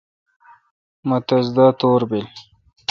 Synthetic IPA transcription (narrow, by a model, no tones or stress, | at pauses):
mɐt̪ɐzd̪aːt̪oːɾbil